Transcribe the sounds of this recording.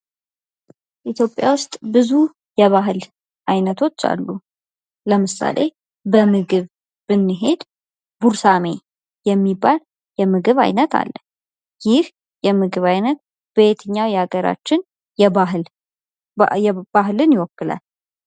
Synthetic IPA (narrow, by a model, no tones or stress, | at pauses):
ʔit̪ʰjo̞pʼja̰wʊst̪ʼbɨzu | jɛβaɦɨl | ʔajnət̪ʰo̞t͡ʃːa̰lːu | ləmɨsa̰lʔe̞ | bəmɨɡɨβ | b̥ɨnːɨɦe̞d̪ | buɾsame̞ | jɛmːibːal | jɛmɨɡɨβa̰jnət̪ʰa̰lːə | jɪh | jɛmɨɡɨβajnət̪̚ | b̥et̪ʰɨɲːawjɛaɡəɾa̰t͡ʃːɪn | ɛaɦ | jɛbaɦlɨnjɪwɔkːɨla̰l